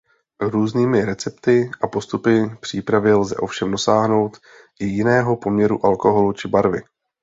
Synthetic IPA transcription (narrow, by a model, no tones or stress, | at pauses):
ɾuːzniːmɪɾɛt͡sɛpt̪ɪʔapo̞st̪upɪpr̝̥iːpɾavɪlzɛ̰ʔo̞fʃɛmdo̞saːɦno̞wt̪ | ʔɪjɪnɛːɦo̞po̞mɲɛɾṵʔalko̞ɦo̞lut͡ʃɪbaɾvɪ